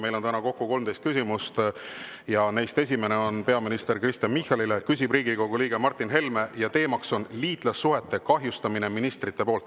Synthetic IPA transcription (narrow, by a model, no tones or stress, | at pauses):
me̞jlo̞nt̪ænɑko̞kːuko̞lmt̪ejst̪kys̬ʲimust̪ | jɑne̞jst̪e̞s̬ʲime̞ne̞o̞npe̞ɑminist̪e̞rkrist̪jɑnmihɑlile̞kys̬ʲibriːɡiko̞ɡ̥uliːɡ̥emɑrt̪ːˑinɦe̞lme̞jɑt̪e̞ːmɑkso̞nliːt̪ˑlɑsːuɦe̞t̪ːˑe̞kɑɦjust̪ɑmine̞minist̪rit̪ːˑe̞po̞ːlt̪ːˑ